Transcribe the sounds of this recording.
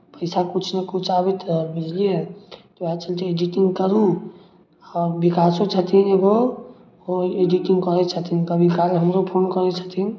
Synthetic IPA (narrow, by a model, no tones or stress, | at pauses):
pəjsakut͡ʃʰnekut͡ʃʰabɛt̪bʱid͡ʒlijet̪oat͡ʃəlt̪ied͡ʒiʈiŋɡkəɾu | aːɾbikasõt͡ʃʰət̪ʰineɡo | oed͡ʒiʈiŋɡkɔɾɛt͡ʃʰət̪ʰinkəbʱikalɦəmɾopʰoːnkɔɾɛt͡ʃʰə̥t̪ʰin